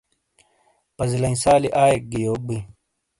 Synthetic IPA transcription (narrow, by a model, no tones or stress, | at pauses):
pɐzlɐĩsaːliʔaːjek̚ɡijoːk̚bi